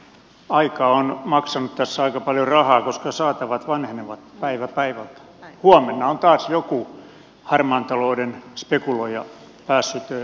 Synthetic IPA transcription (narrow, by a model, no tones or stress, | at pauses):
ɑikɑːonmɑksɑnut̪t̪æsːæɑikɑpɑljorɑhɑːkoskɑsɑːt̪ɑʋɑt̪ʋɑnheneʋɑt̪pæiʋæpæiʋælt̪ | huɑmenːɑont̪ɑːsjoku | hɑrmɑːnt̪ɑloːdenspekuloijɑ | pæːsːyt̪